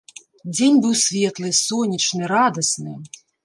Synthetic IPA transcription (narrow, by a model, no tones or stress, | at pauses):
d͡zʲenʲbɨwsʲvʲɛt̪lˠɨsɔnʲit͡ʂnɨɾad̪ɐsnɨ